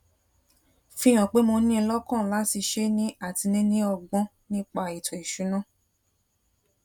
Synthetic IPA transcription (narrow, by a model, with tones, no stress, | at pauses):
fĩ˧˦j̃ã˨k͡pe˨˦mo˧nĩ˦˧lɔ˦kã˦˨la˨˦ti˧ʃe˦nĩ˦a˦˨ti˧nĩ˦nĩ˦ɔ˧ɡ͡bɔ̃˦ | nĩ˦k͡pa˦˨i˨tɔ˨i˨ʃu˨˦nã˦˨